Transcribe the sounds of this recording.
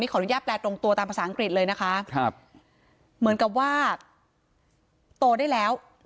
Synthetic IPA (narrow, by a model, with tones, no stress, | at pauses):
miː˦˥kʰɔː˨˩˦nu˦jaː˥˩t̪̚plɛː˧t̪ɾo˧ŋt̪u˧t̪aː˧pʰa˧saː˩˦˥a˧ŋkɾi˨˩t̪̚lɤː˧jna˦˥kʰa˦˥kʰp̚ | mɯ˩˦ənka˨˩p̚waː˥˩ | t̪u˧daː˥˩jlɛː˦˥w